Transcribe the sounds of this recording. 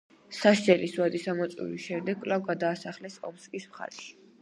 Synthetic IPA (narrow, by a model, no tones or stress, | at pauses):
saʃd͡ʒɛliswad̪isamɔt̪sʼḭɾḭsʃɛmd̪ɛɡkʼlavɡad̪aːsaχlɛsɔ̰pskʼismχa̰ɾɛʃi̥